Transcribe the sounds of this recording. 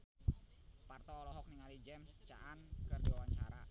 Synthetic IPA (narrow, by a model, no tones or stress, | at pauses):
part̪ɔɔlɔɦɔk̚niŋalid͡ʒɛmst͡ʃa̰ʔankərdiwawaɲt͡ʃaɾa̰